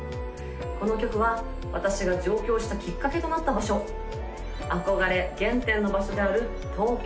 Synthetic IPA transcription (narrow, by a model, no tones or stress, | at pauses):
ko̞no̞kʲo̞kɯ̟βa | βat̪aɕiɡad͡ʑo̞ːkʲo̞ːɕi̥t̪akʲikːake̞t̪o̞nat̪ːabaɕo̞ | ako̞ɡaɾe̞ɡẽ̞nt̪ẽ̞nːo̞baɕo̞d̪e̞aɾɯ̟ | t̪o̞ːk